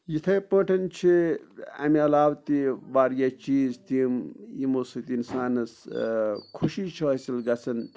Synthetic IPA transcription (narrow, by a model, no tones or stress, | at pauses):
jit̪ʰɐpə̃ːʈʰɐnt͡ʃʰiɐ̰miɐlaːwt̪iʋaːɾjat͡ʃiːzt̪imjimosɨt̪insaːnɐs | kʰuʃit͡ʃʰiɐsilɡɐt͡sʰɐn